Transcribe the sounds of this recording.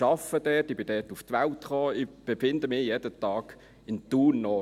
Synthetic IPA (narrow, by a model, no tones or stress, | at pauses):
ʃɑfəd̥ɛːtːɪb̥ɪndɛːtuftʋaltχoːɪb̥ɛfɪnd̪əmɪjeːd̥ətɑːɡ | ɪnt̪uːnːɔ